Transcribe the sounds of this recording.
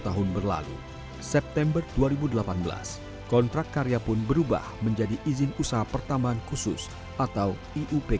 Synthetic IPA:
t̪aɦʊnbərla̰lṵ | sɛp̚t̪ɛmbərduaɾibudəlapanbəla̰s | kɔnt̪ɾakt̪̚kaɾiapʊnbəɾuba̰hməɲd͡ʒadiʔizɪnusaɦapərt̪ambaɦankusʊ̰s | ʔat̪aw | iʔupe

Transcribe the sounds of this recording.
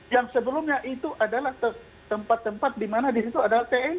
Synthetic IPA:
jaŋsəbəlʊmɲaʔit̪uʔadalaht̪ə | t̪əmpat̪ːəmpat̪̚dimanadisit̪uadalaht̪eɛn

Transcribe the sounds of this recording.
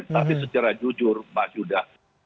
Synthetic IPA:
t̪aisət͡ʃaɾad͡ʒud͡ʒʊrpasudah

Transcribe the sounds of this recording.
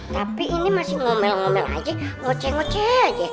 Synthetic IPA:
t̪apiːnimasiŋomɛlaŋomɛla̰id͡ʒɛŋot͡ʃɛŋot͡ʃead͡ʒɛ

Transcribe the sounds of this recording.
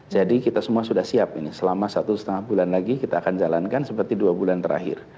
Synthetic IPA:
d͡ʒadikit̪asəmuasudahsiap̚inisəlamasat̪usə̥t̪əŋahbulanlaɡikit̪aːkand͡ʒalankansəpərt̪iduabulant̪əɾʔa̰ɦɪ̰r

